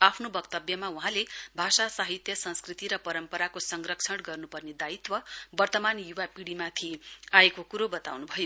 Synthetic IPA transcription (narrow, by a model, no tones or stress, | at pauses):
apʰnobʌkt̪ʌbjʌmauɦãlebʱasasaɦit̪jʌsʌ̃nskrit̪iɾʌpʌɾʌmpʌɾakosʌŋrʌkt͡sʰʌɽɡʌrnupʌrned̪ait̪wʌbʌrt̪ʌmanjuwapiɽimat̪ʰiajekokuɾobʌt̪a̰wnubʱʌjo